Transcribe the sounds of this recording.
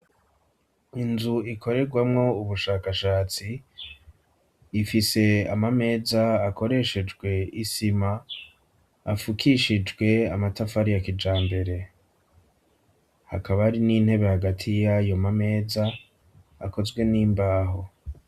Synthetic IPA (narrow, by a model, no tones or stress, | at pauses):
inzuikʰo̞ɾe̞ɡwamŋo̞uβuʃaːkaʃaːt͡si | fise̞amame̞ːzaːko̞ɾe̞ʃe̞d͡ʒɡwe̞isima | fukiʃid͡ʒɡwe̞amatafaɾijakid͡ʒaːmbe̞ɾe̞ | ha̰kaβaaɾiniːn̥he̞βe̞haɡatʰijajo̞mame̞ːzaː | ko̞zɡwe̞niːmbaːɦo̞